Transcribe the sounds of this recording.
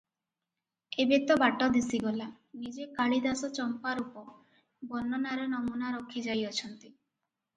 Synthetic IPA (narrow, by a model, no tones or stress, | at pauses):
ebet̪ɔbaʈɔd̪isiɡɔla | nid͡ʒekaɭid̪asɔt͡ʃɔmpaɾupɔ | bɔnːɔnaɾɔnɔmunaɾɔkʰid͡ʒajɔt͡ʃʰɔnt̪i